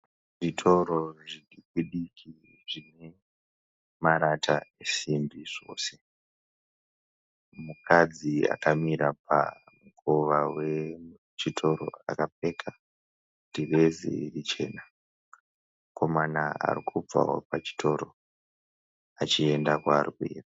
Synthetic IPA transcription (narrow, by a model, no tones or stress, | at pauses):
ʐitʰo̞ɾoʐiikiɗikʰi | ʐine̞ | maɾatʰaesimbiʐ̥o̞̰ːse̞ | mukʰad͡zia̰kamiɾapʰa̰ | mukoʋawe̞ | t͡ʃitʰo̞ɾo̞̰a̰kape̞ːkʰa | direzḭirit͡ʃe̞̰ːna | kʰo̞manaa̰rikʰub͡va̰ɦo̞̰pat͡ʃi̥tʰo̞ɾo | at͡ʃie̞ndakwaːrikuḛːraa